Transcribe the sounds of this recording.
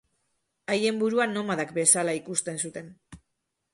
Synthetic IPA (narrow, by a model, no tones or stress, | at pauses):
aje̞mbuɾuano̞maðakbe̞salaikust̪e̞nsut̪e̞n